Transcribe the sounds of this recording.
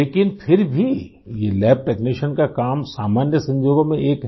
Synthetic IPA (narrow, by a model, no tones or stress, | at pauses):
leːkɪnpʰɪɾbʱi | jelɛːp̚ʈeːkniːʃənkakaːmsaːmaːnjəsɐ̃ɲd͡ʒoːɡomẽʔeːkɦ